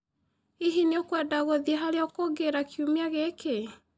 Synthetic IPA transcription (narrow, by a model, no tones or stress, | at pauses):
iɦineokwadaɣoðieɦaɾeɔkoɡeɾakjumeaɣeke